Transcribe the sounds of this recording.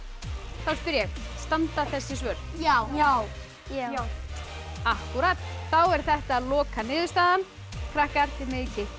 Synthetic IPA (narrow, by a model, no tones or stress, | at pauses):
θawspʏɾjɛxst̪ant̪aθɛsːɪs̬vœɾjawaw | a | ahkuɾat̪θawɛɾ̥θɛht̪aːðlɔːkanɪːðʏ̥st̪aːðan | kʰɾahkaɛr̥t̪ɪmɪːcɪ